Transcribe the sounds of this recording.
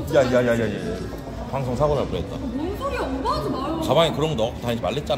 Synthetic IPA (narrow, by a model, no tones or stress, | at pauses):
jajajajajeje | paŋsʰoŋsʰaɡonɯɭpoet̚t͈a̰ | kabaŋekɯɾʌmɡʌnʌkʰtaɲid͡ʑʰimaɭːet̚t͡ɕ͈an